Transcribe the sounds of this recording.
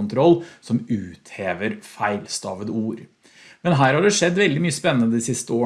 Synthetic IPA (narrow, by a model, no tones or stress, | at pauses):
nt̪ʰɾɔlːsɔmʉːt̪heːʋəɾfæɪlst̪ɑːʋəd̪əuːɾ | mɛnɦæːɾhɑɖɛʂɛd̪ːʋɛld̪ɪmyːəspɛnːənəd̪iːsɪst̪əoː